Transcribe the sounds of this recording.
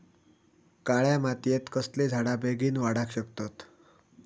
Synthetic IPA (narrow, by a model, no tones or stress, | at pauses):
kaɭjamat̪jet̪kəsled͡zʱaɽabeɡiːnʋaɽakɕəkt̪ot̪